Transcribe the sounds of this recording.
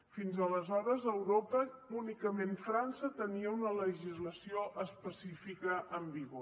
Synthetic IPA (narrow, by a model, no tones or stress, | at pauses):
finzələzɔɾəzəwɾopəunikəmeɱfɾansət̪əniəunələʒizləsioʔəspəsifikəʔəmbiɣo